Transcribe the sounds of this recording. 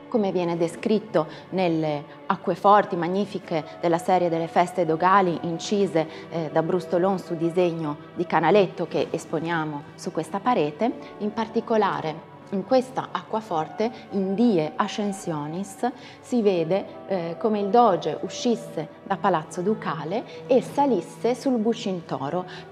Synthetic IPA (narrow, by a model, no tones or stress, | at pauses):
komevjɛːned̪eskɾit̪ːo | nelːe | akːwefɔrt̪imaɲːiːfiked̪elːasɛːɾjed̪elːefɛst̪ed̪oɡaːliʔint͡ʃiːze | d̪abɾust̪olonsud̪izeɲːo | d̪ikanalet̪ːok̟eʔesponjaːmosukːwest̪apaɾeːt̪e | impart̪ikola̰ːɾʔe | iŋkwest̪a̰ʔakːwafɔrt̪e | ind̪iːeʔaʃːensjɔːnisː | iveːd̪e | komeild̪ɔːd͡ʒeʔuʃːisːe | d̪apːalat̪sːod̪ukaːleesalisːesulbut͡ʃːint̪ɔ̰ːɾo